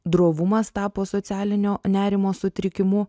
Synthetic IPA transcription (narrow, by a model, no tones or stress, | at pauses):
d̪ɾoːʋʊmɐst̪ɑːpoːsot̪sʲæːlʲɪnʲoːnʲæːɾʲɪmoːsʊt̪ʲɾʲɪkʲɪmʊ